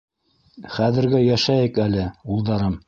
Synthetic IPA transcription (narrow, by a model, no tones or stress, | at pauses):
χæðɘ̆ɾɡæjæʃæjɘkælɘulˠd̪ɑɾɤm